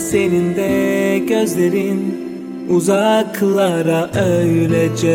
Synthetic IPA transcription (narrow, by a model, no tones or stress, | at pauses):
senind̪ɛɟøzlʲeɾin | uzɑkʰːɯlˠːɑɾaʔøjylɛd͡ʒɛ